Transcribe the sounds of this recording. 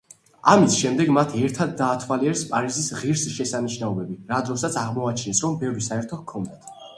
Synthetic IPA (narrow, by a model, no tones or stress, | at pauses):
amisʃɛmd̪ɛɡmat̪ʰiɛɾt̪ʰad̪ːaːt̪ʰwaliɛɾspʼaɾizisʁiɾsʃɛsaniʃnaɔbɛbiɾad̪ɾɔsat̪sʰaʁmɔat͡ʃʰɛnɛsɾɔmbɛvɾisaɛɾt̪ʰɔd̪kʰɔnd̪at̪ʰ